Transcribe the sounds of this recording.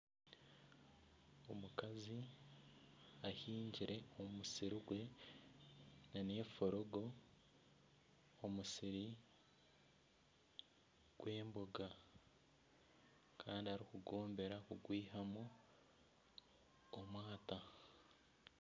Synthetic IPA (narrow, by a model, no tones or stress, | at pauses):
omukazi | ahiːɲɟiɾe̞ommusiɾiɡwe̞ | naneːfo̞ɾoɡo̞ | musiɾi | ɡ̥wʔe̞ːmboɡa | kʰaːndihaɾikuɡo̞ːmbe̞ɾakuɡwiːhamu | mwaːta